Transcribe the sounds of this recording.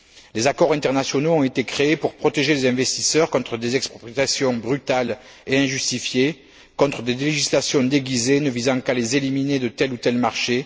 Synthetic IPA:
lezakɔʁɛ̃nt̪ɛʁnasjɔnoɔ̃et̪ekχeepuʁpχɔt̪eʒelezɛ̃vɛst̪isœʁkɔ̃t̪χəd̪ezɛksppiasjɔ̃bʁyt̪al | eɛ̃ʒyst̪ifje | kɔ̃t̪χəd̪eleʒislasjɔ̃d̪eɡʲizenəvizɑ̃kalezelimined̪ət̪ɛlut̪ɛlmaʁʃe

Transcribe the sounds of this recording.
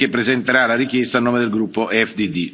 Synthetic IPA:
epːɾezent̪eɾalaɾik̟jest̪aːnːoːmed̪elɡɾupːoʔɛfd̪id̪i

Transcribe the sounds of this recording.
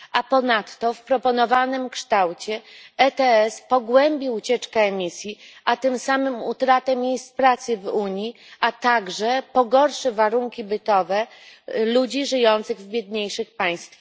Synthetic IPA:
ʔapɔnat̪ːɔfpɾɔpɔnɔvanɘmkʂt̪awt͡ɕɛɛt̪ɛɛspɔɡwɛmbʲiut͡ɕɛt͡ʂkɛːmʲisʲjiʔat̪ɘmsamɘmut̪ɾat̪ɛmʲjejst̪pɾat̪sɘvuɲi | ʔat̪aɡʐɛpɔɡɔɾʂɘvaɾuŋkʲibɘt̪ɔvɛlud͡ʑiʐɘjɔnt̪sɘɣvbʲjɛd̪̚ɲejʂɘxpaj̃st̪fa

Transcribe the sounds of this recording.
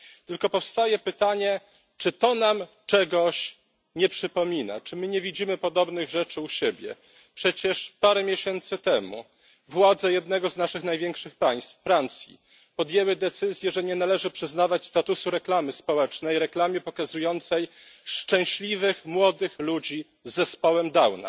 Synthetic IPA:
t̪ɘlkɔpɔfst̪ajɛpɘt̪aɲɛ | t͡ʂɘt̪ɔnamt͡ʂɛɡɔɕ | ɲɛpʂɘpɔmʲina̰t͡ʂɘmɘɲɛvʲid͡ʑimɘpɔd̪ɔbnɘɣʐɛt͡ʂɘuɕeɛbʲjɛ̰ | pʂɛt͡ɕɛʂpaɾɛmʲjeɕɛnt̪sɘt̪ɛmṵ | vwad̪zɛjɛd̪nɛɡɔznaʂɘxnajvʲjɛŋkʂɘxpaj̃st̪ffɾant̪sʲjḭ | pɔd̪ʲjɛwɘd̪ɛt̪sɘzʲjɛʐɛɲɛnalɛʐɘpʂɘznavat͡ɕst̪at̪usuɾɛklamɘspɔwɛt͡ʂnɛjɾɛklamʲjɛpɔkazujɔnt̪sɛjʂt͡ʂɛ̃w̃ɕlʲivɘxmwɔd̪ɘxlud͡ʑi | zːɛspɔwɛmd̪awna̰

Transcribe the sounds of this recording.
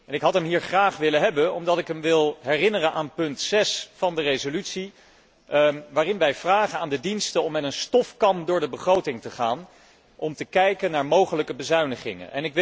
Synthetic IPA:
ɛnɪkɦɑtɦɛmɦiːɹχraːχʋɪləɦɛbənɔmdɑtɪkɦəmʋɪlˠɦɛrɪnərənʔaːnpɵntsɛsfɑndərezolytsi | ʋaːrɪnʋɛjv̥raːχənaːndədinstəɔmːɛtənstɔfkɑndʊːɹdəbəχrowtɪŋtəχaːn | ʔɔmtəkɛjkənːaːɹmowχələkəbəzœɥnəχɪ̰ŋə̰nʔɛ̰nɪkʋ

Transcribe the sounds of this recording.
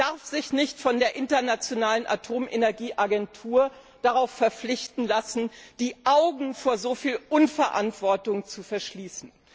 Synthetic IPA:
d̥aɐfz̥ɪçnɪçtfɔndeːɐʔɪntɐnat͡sjonaːlənʔa̰tʰoːmʔenɛɐɡiːʔaɡɛntʰuːɐ | d̥aʁaʊfːɛɐp͡flɪçtn̩lasn̩d̥iːʔaʊɡŋ̩foːɐzofiːlʔʊnfɛɐʔa̰ntv̥ɔɐtʊŋt͡sufɛɐʃliːsn̩

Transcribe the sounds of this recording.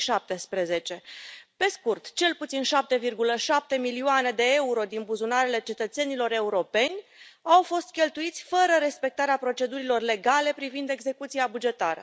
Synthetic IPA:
ʃap̚t̪e̞spɾe̞ze̞t͡ʃe̞pe̞skurt̪t͡ʃe̞lput̪sinʃap̚t̪e̞virɡuləʃap̚t̪e̞milioane̞d̪e̞euɾo̞d̪inbuzunaɾele̞t͡ʃe̞t̪ət̪se̞nilo̞ɾe̞uɾo̞pe̞nʲawfo̞st̪̚kʲe̞lt̪uit̪sʲfəɾəɾe̞spe̞k̚t̪aɾeapɾo̞t͡ʃe̞d̪uɾilo̞rle̞ɡale̞pɾivind̪e̞ɡze̞kut̪siabud͡ʒe̞t̪aɾə̰

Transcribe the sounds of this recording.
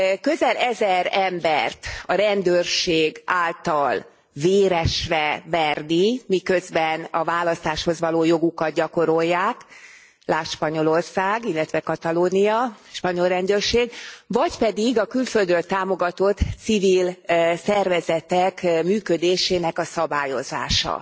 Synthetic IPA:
kø̞zɛlɛzɛɾɛmbɛrt̪ɒɾɛnd̪øːrʃeːɡaːlt̪ɒl | veːɾɛʃrɛvɛrnimikø̞zbɛnɒvaːlɒst̪aːʃho̞zʋɒloːjo̞ɡukɒd̪̚ɟɒko̞ɾo̞jːaːk | laːʃpɒɲo̞lo̞rsaːɡilːɛt̪ʋɛkɒt̪ɒloːnijɒʃpɒɲo̞lrɛnd̪ørʃeːɡvɒcpɛd̪iɡɒkylføld̪ɾølt̪aːmo̞ɡɒt̪o̞t̪sivilsɛrvɛzɛt̪ɛkmyːkød̪eːʃeːnɛkɒsɒbaːjo̞za̰ːʃɒ̰

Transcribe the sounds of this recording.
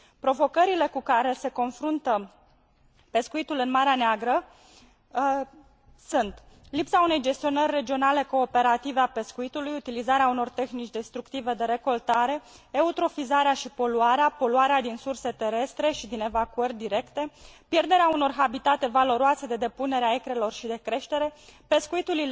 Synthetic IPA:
pɾo̞vo̞kəɾile̞kukaɾe̞se̞ko̞nfɾunt̪ə | pe̞skuit̪ulɨnmaɾeaneaɡɾə | sunt̪lipsaune̞jd͡ʒe̞st̪io̞nərʲːe̞d͡ʒio̞nale̞ko̞ːpe̞ɾat̪iveape̞skuit̪ulujut̪ilizaɾeauno̞rt̪e̞xnit͡ʃʲd̪e̞st̪ɾukt̪ive̞d̪e̞ɾe̞ko̞lt̪aɾe̞ | eut̪ɾo̞fizaɾeaʃipo̞luaɾeapo̞luaɾead̪insurse̞t̪e̞ɾe̞st̪ɾe̞ʃid̪ine̞vakuərʲd̪iɾe̞kt̪e̞pje̞rd̪e̞ɾeauno̞rɦabit̪at̪e̞valo̞ɾoase̞d̪e̞d̪e̞pune̞ɾeaekɾe̞lo̞rʃid̪e̞kɾe̞ʃt̪e̞ɾe̞pe̞skuit̪ulil

